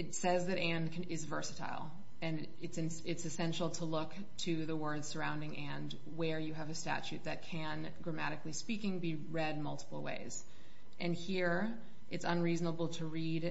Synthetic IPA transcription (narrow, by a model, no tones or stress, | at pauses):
ɨtsɛzðɨɾæ̃nkʰɪzvɜ˞sɨtʰa̰ɪlˠ | ɨ̃n | ɨtsɨ̃n | ɪtsɨsɛ̃nʃl̩ˠtʰəlʊk | tʰɨðəwɜ˞dz̥sə˞ãʊ̃ndɪ̃ŋʔæ̃nd | wə˞jɨːvɨstæ̰t͡ʃʉt̪̚ðɨt̚kʰɨ̃n | ɡɹɨmæ̰ɾɨklispikɪ̃ŋbi | ɹɛd̚mʌlˠtə̥pl̩ˠwḛɪz̥ | ʔɨ̃nhiɹ | ʔɨtsə̃nɹiznəbl̩ˠtʰəɹid